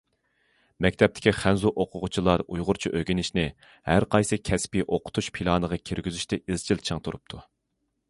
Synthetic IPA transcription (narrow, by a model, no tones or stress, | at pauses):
mɛkʲt̪ʰɛp̚t̪ʰɪ̥kʲiχænzuʔoqʰʊʁʊt͡ʃʰilˠɑɾujʁʊɾt͡ʃʰiʔøɡʲinɪʃnɪ | hæɾqʰɑjsɨkʲʰɛspiʔoqʰʊ̥t̪ʰuʃpʰilˠɑːnəʁɑkʲʰiɾɡʲyzyʃt̪ɪɪzt͡ʃʰilt͡ʃʰɨŋt̪ʰuɾup̚t̪ʰu